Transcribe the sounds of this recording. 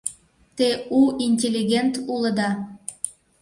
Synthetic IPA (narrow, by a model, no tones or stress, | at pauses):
t̪euʔinʲtʲelʲːiɡʲent̪uləd̪ɑ